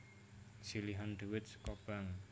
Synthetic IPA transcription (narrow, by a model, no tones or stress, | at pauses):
siliɦand̪uwɪt̪skob̥aŋ